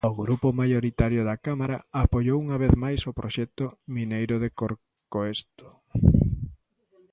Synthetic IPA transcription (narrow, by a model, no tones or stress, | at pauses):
oɣɾupʊmajoɾit̪aɾjoðakamaɾaapoʎowuŋaβeθmajsopɾʔoʃɛk̚t̪ʊminejɾʊðekoɾ | koest̪o̥